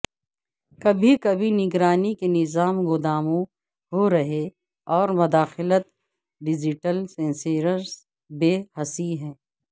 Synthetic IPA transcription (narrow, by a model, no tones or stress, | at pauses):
kɐbʱikɐbʱinɪɡɾaːnikenɪzaːmɣʊd̪aːmõ | ɦoɾɐɦe | ɔːɾmʊd̪aːxɪlət̪ | ɖɪd͡ʒɪʈəlsɛ̃nseːɾəɾz | beːhɐsiɦɛ̃ː